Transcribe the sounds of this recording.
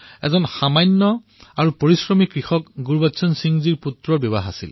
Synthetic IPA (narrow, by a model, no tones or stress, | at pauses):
ɛ̰zɔnxamajnːɔ | aɹupoɹisɹɔmikɹixɔkɡuɹbatsɔnsiŋziɹputɹɔɹbɔβaɦasḭl